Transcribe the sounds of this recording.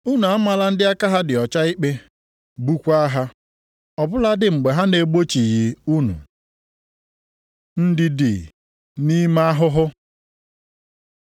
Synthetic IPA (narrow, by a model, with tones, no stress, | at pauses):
u˦nu˨a˦ma˨la˦n̩˦dɪ˦a˦ka˦ɦa˦dɪ˨ɔ˨t͡ʃa˦i˦k͡pe˦ | bu˦kʷa˦ɦa˦ | ɔ˨bʊ˦la˦dɪ˨ŋ͡m̩˨ɡ͡be˨ɦa˦ne˨ɡ͡bo˦t͡ʃi˨jɪ˨u˦nṵ˨ | n̩˦dɪ˦dɪ̰˨ | ni˦ma˦ɦʊ˦ɦʊ˦